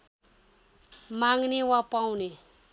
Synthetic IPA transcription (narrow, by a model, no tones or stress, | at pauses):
maŋɡnewapawne